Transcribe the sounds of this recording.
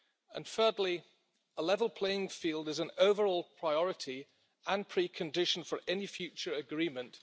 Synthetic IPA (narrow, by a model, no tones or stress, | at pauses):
ə̰̃nfɜːdˡli | əlɛvəlˠpʰl̥eɪɪ̃ŋfiːlˠdɪzə̃noʊvəɹɔːlˠpʰɹ̥aɪɒɹɪtʰi | ə̃npʰɹ̥iːkʰə̃ndɪʃə̃nfəɹʔɛnifjʉˑt͡ʃəɹəɡɹĩːmə̃nt